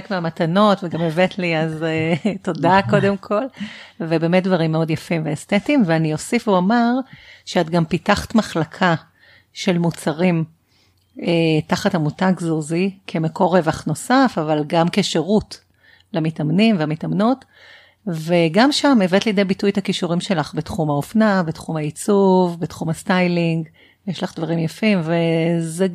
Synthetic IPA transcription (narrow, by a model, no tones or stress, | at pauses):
kmeamatano̞tveɡamevetliazeto̞dako̞demkʰo̞lvebe̞ːmet̚dvaʁimːeo̞djafimveːstetimveaniosifuamaʁʃeatɡampitaχḁtmaχlakʰa | ʃe̞lmut͡saʁim | etaχathamutaɡzuzikʰe̞meko̞ʁevaχno̞safavalɡamkeʃeʁut | lamitamnimveamitamnot | veɡamʃamevetlijdebitujt̪akiʃuʁimʃe̞laχbetχumhaofnabetχumhait͡suvbetχumastajliŋɡ | jeʃlaχd̪vaʁimjafimveze